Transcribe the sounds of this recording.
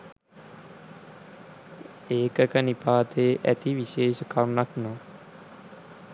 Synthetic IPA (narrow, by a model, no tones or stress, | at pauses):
eːkəkənipaːt̪eːʔæ̰t̪iʋiʃeːʃəkʰawnaknɔː